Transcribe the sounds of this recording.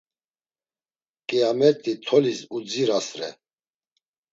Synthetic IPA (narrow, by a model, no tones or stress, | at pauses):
kʼiamɛɾt̪ʼit̪ʰɔlisud͡ziɾasɾɛ̰